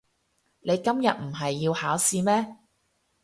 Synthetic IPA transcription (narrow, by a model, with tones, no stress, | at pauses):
ne˨˧jkɐ˥mjɐ˨t̚m̩˨˩ɦɐ˨jːiː˧whaː˨˥wsiː˧mɛː˥